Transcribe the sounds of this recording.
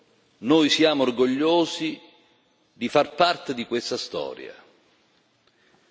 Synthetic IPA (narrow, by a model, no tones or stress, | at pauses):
nojsjaːmoorɡoʎːoːzi | d̪ifarpart̪ed̪ikwest̪ast̪ɔ̰ːɾja̰